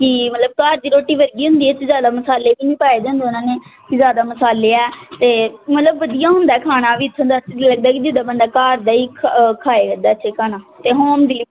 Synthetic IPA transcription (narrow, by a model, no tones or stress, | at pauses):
kɪmət̪ləb̚kaːɾd̪iːɾoːʈːiːʋəɾɡiːɦʊ̃nd̪iːet͡ʃzjaːd̪aːməsaːleːbiːnĩːpaːeːd͡ʒãːnd̪eːʊnãːneːkizjaːd̪aːməsaːleːɛːt̪eːmət̪ləbːəd̪ijãːɦʊ̃nd̪aːkʰaːnaːʋiːt̪ʰːənd̪aːləɡd̪aːkid͡ʒɪd̪aːbənd̪aːkaːɾd̪aːiːkʰkʰaːeːɡəd̪aːəʃʰeːkʰaːnãːt̪eːɦoːmd̪ili